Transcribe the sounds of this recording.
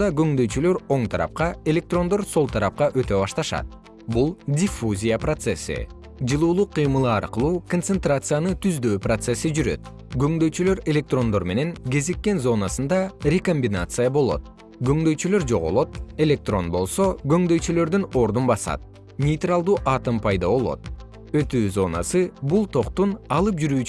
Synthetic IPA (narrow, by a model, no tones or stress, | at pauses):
ɑɡø̞ŋd̪øjt͡ʃylø̞ɾo̞ɴt̪ʰɑɾɑ̰p̚qɑe̞lʲe̞k̚t̪ro̞nd̪o̞ɾso̞lˠt̪ʰɑɾɑp̚qɑʔø̞t̪øβɑʃt̪ɑʃɑ̰t̪̚ | bulˠdʲɪfuzʲijəprot̪sesḭ | d͡ʒɯlˠuːlˠuqʰːɯjmɯlˠɯɑɾqɯlˠuːkonsent̪rat̪sɨjanɯt̪ʰyzd̪øːprot̪se̞sid͡ʒyɾø̞̰t̪ | ɡø̞ŋd̪ø̞jt͡ʃylø̞ɾe̞lʲe̞k̚t̪ro̞nd̪o̞ɾme̞ne̞ŋɡe̞zikːe̞nzo̞nasɯnd̪ɑɾʲeko̞mʲbʲinat̪sɨjabo̞lˠo̞̰t̪̚ | ɡø̞ŋd̪ø̞jt͡ʃylø̞ɾd͡ʒo̞̰ʁolˠo̞t̪̚e̞lʲe̞k̚t̪ro̞nbo̞̰lˠso̞ɡø̞ŋd̪ø̞jt͡ʃylø̞ɾd̪yno̞ɾd̪unbɑsɑ̰t̪̚ | nʲejt̪ralˠd̪uːʔɑt̪ɯmpʰɑjd̪ɑo̞lˠo̞̰t̪̚ | ø̞t̪yːzo̞na̰sɯbulˠt̪ʰo̞qt̪unɑlˠɯp̚d͡ʒyɾyːt͡ʃ